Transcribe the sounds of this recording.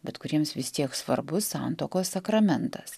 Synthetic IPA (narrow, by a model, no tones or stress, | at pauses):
bʲɛt̪kʊɾʲiɛmsʋʲɪst̪ʲiɛksʋɐ̰ɾbʊsɑnt̪oːkoːssɐkɾɐmʲɛnt̪ɐs